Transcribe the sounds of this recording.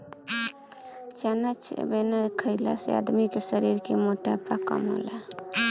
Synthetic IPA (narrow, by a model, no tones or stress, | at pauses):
t͡ʃanat͡ʃʰbenalkʰəɪla̰sḛa̰d̪mikesəɾiɾkemoʈapakə̰mɦo̰la